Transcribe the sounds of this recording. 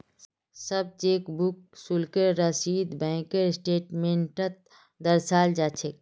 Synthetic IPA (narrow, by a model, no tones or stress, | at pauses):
səb̚t͡ʃeːkbuk̚sulkeɾɾəsiːd̪bɛ̃ːkeɾsʈeːʈmẽɳʈət̪̚ | d̪ɐɾsaːld͡ʒaːt͡ʃʰek